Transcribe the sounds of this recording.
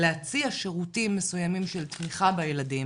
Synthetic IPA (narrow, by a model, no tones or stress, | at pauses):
leat͡siaʃe̞ʁutimːe̞sujamimʃe̞lt̪miχabajeladim